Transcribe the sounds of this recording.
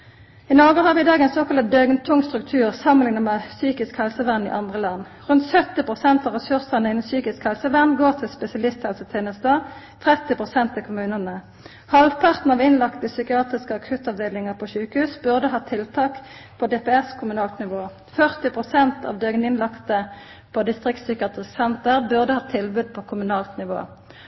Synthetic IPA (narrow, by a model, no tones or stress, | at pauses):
ɪnɔʁɡəhɑʁʋɪd̪ɑːɡɛɪnsoːkɑlɑd̪œɡnt̪ʰʊŋst̪ʁʉk̚t̪ʰʉːʁsɑməlɪnəmɛsyːkɪskhɛlsəʋæʁnḭːʔɑnd̪ʁəlɑnː | ʁʉnt̪sœt̪ɪpʁʊsɛnt̪ɑːʋʁɛsʉʁsənəɪnnsyːkɪskhɛlsəʋæʁnɡoːʁt̪ʰɪlspɛsɪɑlɪst̪hɛlsət̪ʰeːnəsd̪ɑː | t̪ʰʁɛt̪ɪpʁʊsɛnt̪ɪkʰʊmʉːnənə | hɑlʋpʰɑʁt̪n̩ɑʋɪnlɑkt̪əsʏkɪɑːt̪ʁɪskəɑkʰʉt̪ɑʋd̪eːlɪŋəʁpʰɔʃʉːkəhʉːsbʉʁd̪əɦɑːt̪ʰɪlt̪ʰɑːk | pʰod̪eːpɛɛskʰʊmʉnɑːlt̪nɪʋoː | fœʁt̪ɪpʁʊsɛnt̪ʰɑ̰ːʋd̪øːɡənɪnlɑkt̪ə | pʰɔd̪ɪst̪ʁɪk̚t̪sʏkɑt̪ʁɪssɛnt̪əʁbʉʁd̪əhɑːt̪ʰɪlbʉd̪̚pʰokʰʊmʉnɑːlt̪nɪʋo̰ː